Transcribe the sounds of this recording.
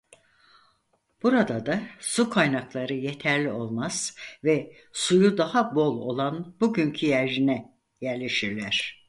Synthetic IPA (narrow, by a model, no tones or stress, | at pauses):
b̥uɾad̪ad̪asukʰajnaklˠaɾɯjet̪ʰæɾlʲio̞lˠmaz̥vɛ | sujud̪ahabo̞lˠo̞̰lˠanb̥uɟyɲcʰyjæɾʒinɛ | jæɾlʲe̞ʃiɾlʲæɾ̥